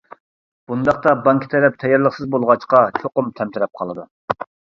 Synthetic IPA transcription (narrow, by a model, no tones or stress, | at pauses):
b̥und̪ɑχt̪ɑbɑŋkʲʰi̥t̪ʰɛɾɛp̚t̪ʰɛjɑɾlˠəχsɨzbolˠʁɑt͡ʃqɑt͡ʃʰoqʊmt̪ʰɛmt̪ʰɪɾɛp̚qʰɑlˠɨd̪u